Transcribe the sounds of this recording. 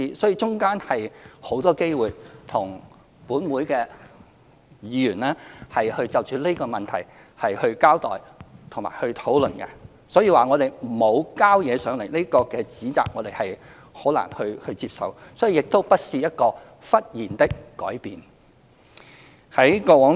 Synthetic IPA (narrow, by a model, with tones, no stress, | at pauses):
iː˧sɔː˨˥jiː˧t͡sʊ˥ŋkaː˥nhɐ˨jho˨˥wt̪ɔː˥ke˥jwuː˨˩jt̪ʰʊ˨˩ŋ | puː˨˥nwuː˨˧˥jkɛː˧ | jiː˨˧jyː˨˩nlɛː˥hɐ˨jhɵ˧ɥt͡sɐ˨˧wt͡ʃyː˨˧le˥kɔː˧mɐ˨nt̪ʰɐ˨˩j | hɐ˨jhɵ˧ɥkaː˥wt̪ɔ̰ː˨jt̪ʰʊ˨˩ŋma̰ː˨˩jhɵ˧ɥt̪ʰo˨˥wlɵ˨nkɛ̰˧ | sɔː˨˥jiː˧waː˨ŋɔ˨˧t̪e˨jm̩˨˩mo˨˧wkaː˥wjɛː˨˧sœː˨˥ŋle˨˩jle˥kɔː˧kɛː˧t͡siː˨˥t͡sa̰ː˧k̚ŋɔː˨˧d̪e˨˩jhɐ˨j | ho˨˥wlɐ̰˨˩ŋhɵ˧ɥhɵ˧ɥt͡siː˧p̚sɐ̰˨wsɔː˨˥jiː˨˧jɪ˨k̚t̪o˥wpɐ˥t̚siː˧jɐ˥t̚kɔː˧ | fɐ˥t̚jiː˨˩nt̪ɪ˥kːɔː˨˥jpiː˨n | hɐ˨˥jkɔː˧wɔː˨˥ŋ